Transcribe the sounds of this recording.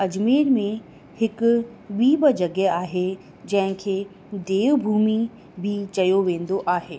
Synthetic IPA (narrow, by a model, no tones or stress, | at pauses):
ɐd͡ʑmiːɾmẽ | hɪkʊ | ɓiːɓəd͡ʑɐɡɛaːɦe | d͡ʑɐ̃ɦɪ̃kʰeː | d̪eːʋbʱuːmi | bʱit͡ɕɐjoʋẽːn̆d̪oʔaːɦeː